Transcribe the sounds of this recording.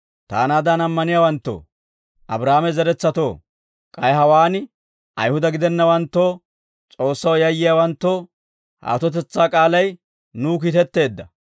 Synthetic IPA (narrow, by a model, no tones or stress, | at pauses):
t̪a̰ːnaːd̪anɐmːɐnɪjaːwɐnt̪ːo̰ː | ʔɐ̰bɾaːmɛzɛɾɛt͡sːɐt̪o̞̰ː | kʼɐjɦɐwaːn | ʔɐ̰jhʊd̪ɐɡɪd̪ɛnːɐwɐnt̪ːoː | t͡sʼo̞ːsːɐwjɐjːɪjaːwɐnt̪ːoː | ha̰ːt̪ɔt̪̬ɛt͡sːaːkʼaːlɐj | nuːk̬iːt̪ɛt̪ːe̞ːd̪ːɐ